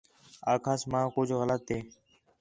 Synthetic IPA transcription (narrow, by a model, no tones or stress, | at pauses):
aːkʰaːsmãːkʊd͡ʒʱɣələt̪ːeː